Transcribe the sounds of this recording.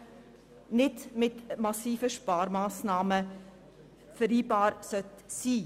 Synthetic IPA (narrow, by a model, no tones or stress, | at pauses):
nɪtmɪtmɑsiːfəʃpɑːɾmɑːsnɑːmə | fəɾiːbɑːɾsœtsiː